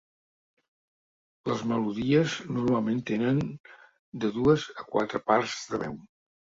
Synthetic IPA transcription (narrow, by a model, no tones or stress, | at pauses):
ləzməluðiəznurmalˠment̪enən | d̪əðuəzəkwa̰t̪ɾəparzðəβɛw